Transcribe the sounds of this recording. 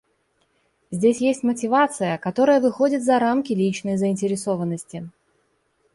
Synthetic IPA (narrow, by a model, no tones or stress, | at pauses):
zʲdʲesʲjesʲtʲmətʲɪvat̪sɨjəkɐt̪o̞ɾəjəvɨxo̞dʲɪt̪zɐɾamkʲɪlʲit͡ɕnəjzəɪnʲtʲɪɾʲɪso̞vənːəsʲtʲɪ